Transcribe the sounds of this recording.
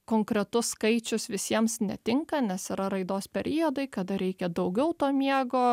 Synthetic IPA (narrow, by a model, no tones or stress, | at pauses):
koːŋkɾʲɛt̪ʊsːkɐɪt͡ʃʲʊsʋʲɪsʲiɛmsnʲɛt̪ʲɪŋkɐnʲɛsɪɾɐɾɐɪd̪oːspʲɛɾʲʔɪod̪ɐɪkɐd̪ɐɾʲɛɪkʲɛd̪ɐʊɡʲɛʊt̪oːmʲiɛɡoː